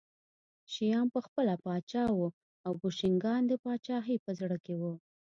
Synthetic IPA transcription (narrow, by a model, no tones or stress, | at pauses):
ʃijɑmpəxpəlapɑt͡ʃɑwu | awboʃɪŋɡɑnd̪əpɑt͡ʃɑɦipəzɽəkewu